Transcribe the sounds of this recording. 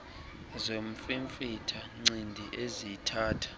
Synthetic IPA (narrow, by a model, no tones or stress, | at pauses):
zomfiɱfitʰaŋ͡ǀindʱiʔezitʰaːtʰḁ